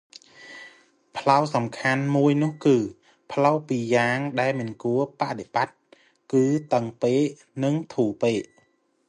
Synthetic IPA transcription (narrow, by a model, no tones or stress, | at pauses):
pʰlawsɑmkʰanmuəjnʊ̆əhkɨː | pʰlawpiːjaːŋɗaɛlmɨnkuəpaʔɗeɓat̪̚ | kɨːt̪əŋpeːʔ | nɨŋt̪ʰuːpeːʔ